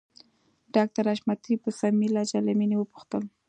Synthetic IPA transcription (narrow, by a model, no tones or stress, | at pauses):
ɖɑk̚t̪aɾaʃmat̪ibəsamilad͡ʒalaminiwəpu̥xt̪əl